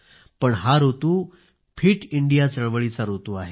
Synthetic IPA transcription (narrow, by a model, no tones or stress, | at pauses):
pəɳɦaɾot̪uː | fʰiːʈiɳɖijat͡səɭʋəɭit͡saɾot̪uaɦe